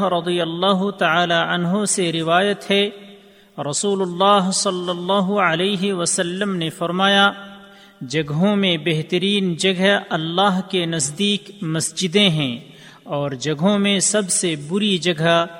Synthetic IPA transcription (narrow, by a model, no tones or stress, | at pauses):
ɾɐd̪ijəlːaːɦʊt̪ɐaːlaənɦoseɾɪʋaːjət̪ɦɛ | ɾɐsuːlʊlːaːɦsɐlːəlːaːɦʊɐleːɦiwəsəlːəmnefɐɾmaːja | d͡ʒɐɡɦõmẽbeɦt̪əɾiːnd͡ʒɐɡʱəɐlːaːɦkenɐsd̪iːkmɐsd͡ʒɪd̪ẽɦɛ̃ | ɔːɾd͡ʒɐɡɦõmẽsɐbsebʊɾid͡ʒɐɡʱə